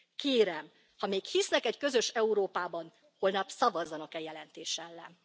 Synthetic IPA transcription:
keːɾɛm | hɒmeːkhisnɛkɛckøzø̞ʃɛuɾoːpaːbɒn | ho̞lnɒpsɒvɒzːɒnɒkɛjɛlɛnt̪eːʃɛlːɛ̰n

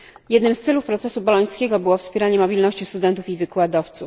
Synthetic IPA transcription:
jɛd̪nɘmst̪sɛlufpɾɔt̪sɛsubɔlɔj̃skʲɛɡɔbɘwɔfspʲjɛɾaɲɛmɔbʲilnɔɕt͡ɕist̪ud̪ɛnt̪ufivɘkwad̪ɔft̪suf

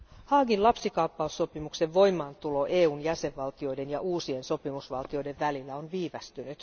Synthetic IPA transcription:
hɑːɡinlɑpsikɑupːɑusːo̞pimukse̞ʋʋo̞jmɑːnt̪ulo̞ʔe̞ːuːnjæse̞ʋːɑlt̪io̞jde̞njɑʔuːsie̞nso̞pimusʋɑlt̪io̞jdeʋʋælilːæo̞nʋiːʋæst̪ynyt̪

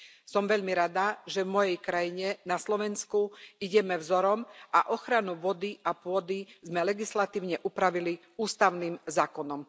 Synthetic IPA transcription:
sɔmʋɛʎmiɾad̪aʒɛvmɔjɛjkɾajiɲɛnaslɔʋɛnskuiɟɛmɛvzɔɾɔmaʔɔxɾanuʋɔd̪iapʊɔd̪izmɛlɛɡislat̪iːʊɲɛʔupɾaʋili | uːst̪aʊniːmzaːkɔnɔm

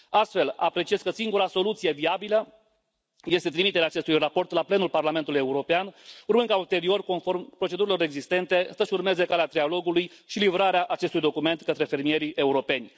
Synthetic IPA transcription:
ast̪fe̞la̰pɾe̞t͡ʃie̞skəsiŋɡuɾaso̞lut̪sije̞viabilə | je̞st̪e̞t̪ɾimit̪eɾeaːt͡ʃest̪ujrapo̞rt̪laple̞nulparlame̞nt̪uluje̞uɾo̞peanurmɨnkault̪e̞ɾio̞rko̞nfo̞rmpɾo̞t͡ʃe̞d̪uɾilo̞ɾe̞ɡzist̪e̞nt̪e̞səʃurme̞ze̞kaleat̪ɾialo̞ɡulujʃilivɾaɾeaʔat͡ʃe̞st̪ujd̪o̞kume̞nt̪kət̪ɾe̞fe̞rmie̞ɾiʔe̞uɾo̞pe̞nʲ

